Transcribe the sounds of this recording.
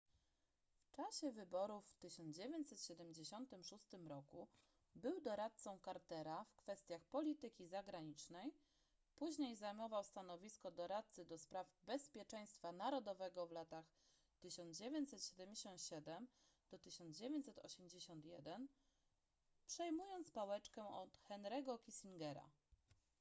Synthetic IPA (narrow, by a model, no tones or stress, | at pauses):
ft͡ʂaɕɛvɘbɔɾufːt̪ɘɕɔnd̪d͡ʑevʲjeɲt͡ɕsɛt̪ɕɛd̪ɛmʲd͡ʑeɕɔnt̪ɘmʂust̪ɘmɾɔku | bɘwd̪ɔɾat̪̚sɔ̃w̃kaɾt̪ɛɾafkfɛst̪ʲjaxpɔlʲit̪ɘkʲizaɡɾaɲit͡ʂnɛj | puʑɲejzajmɔvawst̪anɔvʲiskɔd̪ɔɾat̪̚t̪sɘd̪ɔspɾavbɛspʲjɛt͡ʂɛj̃st̪fanaɾɔd̪ɔvɛɡɔvlat̪ax | t̪ɘɕɔnzd͡ʑevʲjeɲt͡ɕsɛt̪ɕɛd̪ɛmʲd͡ʑeɕɔ̃nt̪ɕɛd̪ɛm | d̪̥ɔt̪ɘɕɔnzd͡ʑevʲjeɲt͡ɕsɛt̪ɔ̰ɕɛmd͡ʑeɕɔnt̪jɛd̪ɛn | pʂɛjmujɔnt̪spawɛt͡ʂkɛɔt̪xɛnɾɛɡɔkʲisiŋɡɛɾa̰